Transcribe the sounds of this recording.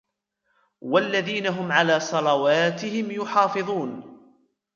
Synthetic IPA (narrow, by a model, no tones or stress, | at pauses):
walːaðiːnaɦʊmʕalaːsˤɑlɑwaːt̪ɪhɪmjʊħɑːfɨðˤuːn